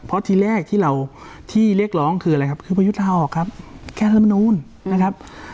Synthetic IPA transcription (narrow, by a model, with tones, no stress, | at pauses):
pʰɔ˦˥t̪ʰiː˧ɾɛː˥˩k̚t̪ʰiː˥˩ɾa˧wt̪ʰiː˥˩li˥˩ək̚lɔː˦˥ŋkʰɯː˧a˧ɾa˧jkʰa˦˥p̚kʰɯː˧˩pa˧ju˦˥t̪̚laː˧˩ʔɔː˨˩kʰːa˦˥p̚kʰɛː˧˩t̪ʰːma˧nuː˧˥˨n | na˦˥kʰa˦˥p̚